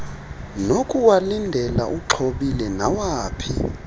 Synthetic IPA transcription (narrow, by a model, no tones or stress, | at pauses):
nokʼuwalindʱɛla̰ʔuǁʰoɓilɛnawaːpʰḭ